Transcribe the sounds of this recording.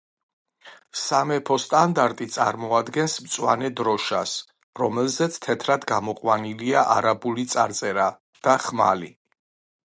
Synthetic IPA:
samɛpʰɔst̪ʼand̪aɾt̪ʼit̪sʼa̰ɾmɔad̪ɡɛnsmt̪sʼwanɛd̪ɾɔʃas | ɾɔmɛlzɛt̪sʰt̪ʰɛt̪ʰɾad̪ɡamɔqʼwaniliaʔaɾabulit̪sʼaɾt̪sʼɛɾa | d̪̥aχma̰li

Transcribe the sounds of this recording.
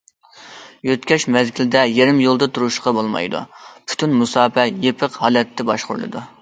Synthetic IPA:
jøt̪kʲɛʃmɛzɡʲilɪd̪ɛjeɾɪmjolˠd̪ɨt̪ʰuɾuʃqɑbolˠmɑ̰jd̪ṵpʰy̥t̪ʰynmusɑːpɛjepʰəqhɑːlˠɛt̪ʰːɪbɑʃqʊ̰ɾlˠɨ̰d̪ṵ

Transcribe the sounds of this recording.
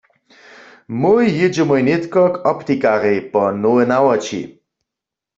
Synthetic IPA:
mojːɪd͡ʒɛmojnet̪kɔkɔpt̪ikaʁejpɔnoɛnawɔt͡ʃḭ

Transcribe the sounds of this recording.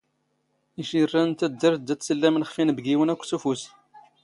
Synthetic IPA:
iʃirːænt̪æd̪ːəɾd̪ːæsəlːæmənχfinbɡiwənækʷːsufus

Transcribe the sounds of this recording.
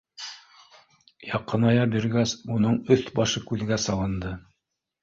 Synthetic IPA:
jɑqːɤ̆nɑjɑbiɾɡæsunɤɴɵθbɑʃɤkʉðɡæsɑlˠɤ̆nd̪ɤ

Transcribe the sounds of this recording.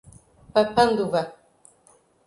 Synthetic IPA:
papand̪uva

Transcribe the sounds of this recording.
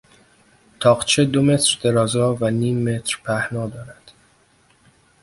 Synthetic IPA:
t̪ʰɒːɢt͡ʃʰe̞d̪o̞me̞t̪ʰɾd̪e̞ɾɒːzɒːvæniːmːe̞t̪ʰɾpʰæhnɒːd̪ɒːɾæd̪̥

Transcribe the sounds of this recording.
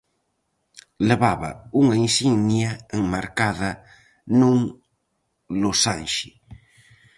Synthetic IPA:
leβaβɐ̰uŋainsiŋnjaeŋmaɾkaðɐ | nũŋ | losanʃɪ

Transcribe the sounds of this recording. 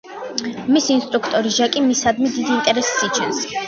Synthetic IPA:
misiːnst̪ʼɾukʰt̪ʼɔɾiʒakʼimisad̪mid̪id̪iːnt̪ʼɛɾɛssit͡ʃʰɛns

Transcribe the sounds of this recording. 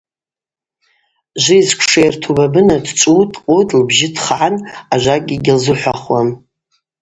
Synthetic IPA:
ʒʷɪizkʷʰʂejrtʰubabɨnadt͡ʃʷʼutʼqʼotʼlbʒɪdʰχʕanaʒʷaɡʲiɡʲɪlzɨħʷaχwam

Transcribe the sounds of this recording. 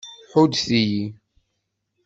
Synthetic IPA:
ħud̪θiji

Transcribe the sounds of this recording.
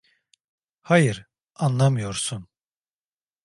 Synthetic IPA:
hajɯɾ | anlˠamɯjo̞ɾsun

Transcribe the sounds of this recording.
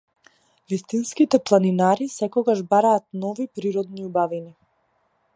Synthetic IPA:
vist̪inskit̪ɛplˠaninaɾisɛkɔɡaʒbaɾaːt̪̚nɔvipɾiɾɔd̪niubavini

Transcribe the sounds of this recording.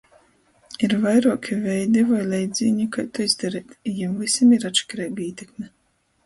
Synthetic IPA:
iɾvajɾuɔkʰʲivʲɛjd̪ivajlʲɛjd̪zʲiːɲikajt̪uizd̪aɾiːt̪jamvisimiɾat̪ʃɛ̥kɾɛjɡiːt̪ʲekmʲɛ

